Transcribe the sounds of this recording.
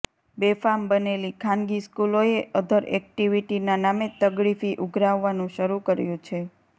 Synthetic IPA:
befambənelikʰãnɡiskuloeʔəd̪ʱəɾɛ̰k̚ʈiʋiʈinanamet̪əɡɾifiʔuɡʱɾaʋːanũʃəɾukəɾjũt͡ʃʰe

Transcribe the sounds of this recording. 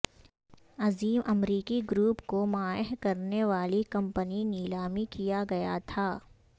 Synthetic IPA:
ɐziːmʔɐmɾiːkiɡɾuːpkomaːəɦkɐɾneʋaːlikɐ̃mpəniniːlaːmikijaɡɐja̰t̪ʰaː

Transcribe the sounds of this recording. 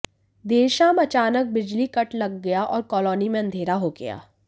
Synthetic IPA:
d̪eːʃaːmɐt͡ʃaːnək̚bɪd͡ʒlikɐʈlɐɡːɐjaʔɔːɾkɔːlɔːnimẽɐ̃nd̪ʱeːɾaɦoɡɐ̰ja̰ː

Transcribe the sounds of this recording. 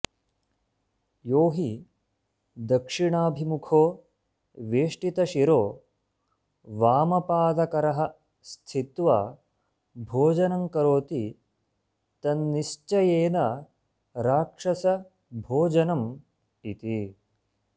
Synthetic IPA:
joːɦi | d̪ɐkʂiɳaːbʱimukʰoː | ʋeːʂʈit̪ɐʃiɾoː | ʋaːmɐpaːd̪ɐkɐɾɐɦɐ | st̪ʰit̪ʋaː | bʱoːd͡ʒɐnɐŋkɐɾoːt̪i | t̪ɐnːiʃt͡ʃɐjeːnɐ | ɾaːkʂɐsɐ | bʱoːd͡ʒɐnɐm | it̪i

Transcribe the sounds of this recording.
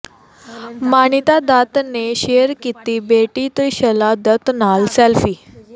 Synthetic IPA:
maɳit̪ad̪at̪neɕeɾkit̪iːbeʈiːt̪əiɕəlad̪ət̪nalsɛlfiː

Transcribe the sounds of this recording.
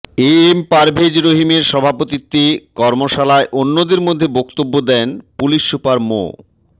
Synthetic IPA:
eempaɾbʱed͡ʑɾoɦimeɾʃɔbʱapot̪it̪ːekɔɾmoʃalaeʔonːod̪eɾmod̪ʱːebokt̪obːod̪ɛnpuliʃːupaɾmo̰

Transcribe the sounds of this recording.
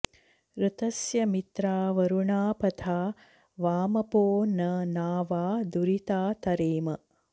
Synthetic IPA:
ɾɨt̪ɐsjɐmit̪ɾaːʋɐɾuɳaːpɐt̪ʰaː | ʋaːmɐpoːnɐnaːʋaːd̪uɾit̪aːt̪ɐɾeːmɐ

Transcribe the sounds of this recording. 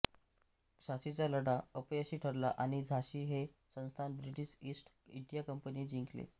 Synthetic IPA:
ɕaɕit͡saləɽaəpjəɕiːʈʰəɾlaʔaɽ̃id͡zʱaɕiːɦe | sə̃nst̪ʰanbɾiʈiɕisʈ | iɳɖijakəmpəniːd͡ʑiŋklḛ

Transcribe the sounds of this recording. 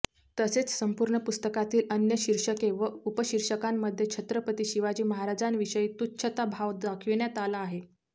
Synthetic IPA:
t̪əset͡ssəmpuɾɳəpust̪əkat̪iːlənjəɕiɾʂəkeʋəupəɕiɾʂəkamːəd̪ʱːjet͡ɕʰət̪ɾəpət̪iːɕiʋad͡ʑiːməɦaɾad͡zanʋiʂəiːt̪utːɕʰət̪abʱaʋd̪akʰiʋɳjat̪alaːɦe

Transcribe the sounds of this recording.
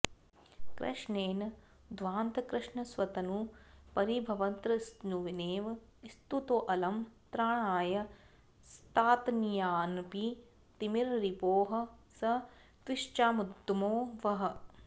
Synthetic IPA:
kɾɐ̰ʂɳeːnɐ | d̪ʋaːnt̪ɐkɾɪʂɳɐsʋɐt̪ɐnupɐɾibʱɐʋɐnt̪ɾɐsnuʋineːʋ | ist̪ut̪oːʔɐlɐmt̪ɾaːɳaːjɐ | st̪aːt̪njaːnpi | t̪imiɾɾipoːɦɐ̆sɐ | t̪ʋiʃt͡ʃaːmud̪moːʋɐɦɐ̆

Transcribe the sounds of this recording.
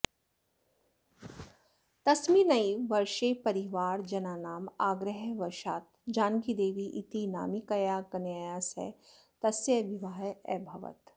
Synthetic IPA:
t̪ɐsminɐiʋɐɾʃepɐɾiʋaːɾd͡ʒɐnaːnaːmaːɡɾəɦʋɐɾʃaːt̪̚d͡ʒaːnɡid̪eːʋiʔit̪ina̰ːmikɐjaːɡɐnjajaːsɛ̰ | t̪ɐsjəʋiʋaːɛ̰bʱɐʋə̰t̪

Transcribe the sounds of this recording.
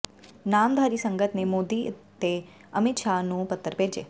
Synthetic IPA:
namd̪ʱaɾisəŋɡət̪nemod̪it̪ːe | əmit̪ʃanũpət̪ːəɾpeɾd͡ʒe

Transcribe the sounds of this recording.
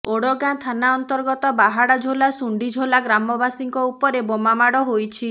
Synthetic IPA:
oɽɔɡat̪ʰanaɔnt̪ɔɾɡɔt̪ɔbaɦaɽad͡ʒʱolasuɳɖid͡ʒʱolaɡɾamɔbasiŋkɔupɔɾebɔmamaɽɔɦojt͡ʃʰi

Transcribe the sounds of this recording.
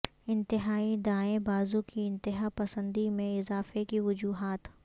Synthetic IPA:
ɪ̃nt̪ɪɦaːid̪aːẽbaːzũkiɪ̃nt̪ɪɦapɐsə̃nd̪imẽɪzaːfekiʋʊd͡ʒuːɦaːt̪

